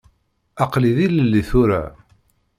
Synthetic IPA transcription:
ɑqliðiləlːiθʊɾa̰

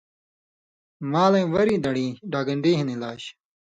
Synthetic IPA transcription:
maːlɐ̃j̃wɐɾiːd̪ɐɽiːɖaːɡɐɳɖiːɦinilaːɕ

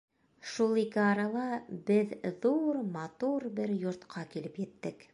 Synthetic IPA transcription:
ʃulˠikɘɑɾɑlˠɑbɘððuɾmɑt̪uɾbɘɾjŏɾt̪qʰɑkilɘpjɘ̆t̪ːɘk

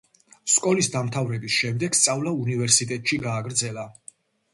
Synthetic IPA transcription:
skʼɔlisd̪amt̪ʰavɾɛbisʃɛmd̪ɛɡ̥st̪sʼavlˠaunivɛɾsit̪ʼɛt̪ʼʃiɡaːɡɾd̪zɛla

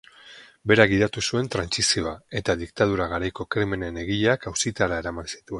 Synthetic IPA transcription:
be̞ɾaɣiðat̪usue̞nt̪ɾansisio̞ae̞t̪aðik̚t̪að̞uɾaɣ̞aɾajko̞kɾemene̞ne̞ɣiʎakawsit̪aɾae̞ɾamansi̥t̪ue̞n

